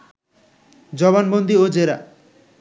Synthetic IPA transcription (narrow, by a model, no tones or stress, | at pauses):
d͡ʒɔβanbond̪iod͡ʒeɾa̰